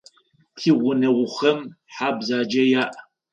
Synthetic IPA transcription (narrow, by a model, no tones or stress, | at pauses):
tʰiːʁʷʊnɐwʷʊχɐm | ħaːbzaːd͡ʒɐjaːʔ